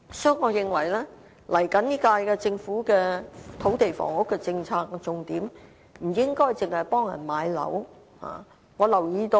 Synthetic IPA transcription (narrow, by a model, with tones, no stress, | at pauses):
sɔː˨˥ŋɔː˨˧jɪ˨ŋwɐ˨˩jlɛː˥ | lɐ˨˩jkɐ˨˥nniː˥kaː˧jkɛː˧t͡sɪ˧ŋfuː˨˥kɛː˧t̪ʰo˨˥wt̪e˨jfɔ̰ː˨˩ŋʊ˥kːɛː˧t͡sɪ˧ŋt͡sʰaː˧k̚ːt͡sʊ˧ŋt̪iː˨˥m | m̩˨˩jɪ˥ŋkɔː˥jt͡sɪ˨ŋhɐ˨jpɔː˥ŋjɐ̰˨˩nmaː˨˧jlɐ̰˨˥w | ha̰ː˨˩ | ŋɔː˨˧lɐ˨˩wjiː˧t̪o˧